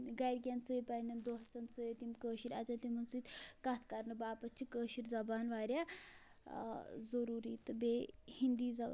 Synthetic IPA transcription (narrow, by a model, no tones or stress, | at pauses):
ɡɐjɾɡʲant͡sɨepɐjnɐnd̪oɦɐst̪ɐnt͡sɨet̪imkəːʃiɾɐ̰t͡sɐnt̪imɐnt͡sɨːt̪ʲkɐt̪ʰkɐɾnɨbaːpɐt͡ʃʰikəːʃiɾzɐbaːnʋaːɾʲja | zɐɾuːɾiːt̪ɨbehind̪iːzɐ